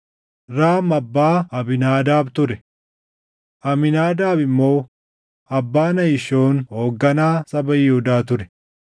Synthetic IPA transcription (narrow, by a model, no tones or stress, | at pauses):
ɾaːmɐbːaːɐbɪnaːd̪aːbt̪ʊɾɛ | ʔɐmɪnaːd̪aːbɪmːo̞ː | ɐbːaːnɐjɪʃo̞ːnho̞ːɡːɐnaːsɐbɐjɪhʊd̪aːt̪ʊɾɛ